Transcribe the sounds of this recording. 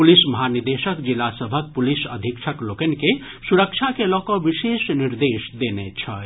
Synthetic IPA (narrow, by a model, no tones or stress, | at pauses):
pulisməɦanid̪esəkd͡ʒilasəbʱək̚pulisə̰d̪ʱikt͡ʃʰəklokənke | suɾəkt͡ʃʰakelɔkɔbisesniɾd̪esd̪enet͡ʃʰə